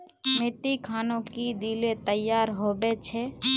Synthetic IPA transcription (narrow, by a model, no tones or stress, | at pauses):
meːʈːikʰaːnõkid̪iːlet̪əjaːɾɦobet͡ʃʰɛ